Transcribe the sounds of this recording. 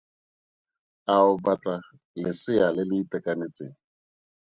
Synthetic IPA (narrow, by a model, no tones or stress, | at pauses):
aʊbat͡ɬa | lɪsɪjalɪlɪːtɛkʼanet͡sɪŋ̩